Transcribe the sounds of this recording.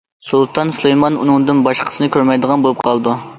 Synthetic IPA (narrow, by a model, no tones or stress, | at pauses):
sulˠt̪ʰɑnsulˠejmɑnṵnɨŋd̪ɨnbɑʃqʰə̥sɨnɨkʲʰøɾmɛjd̪əʁɑnbolˠup̚qʰɑlˠd̪u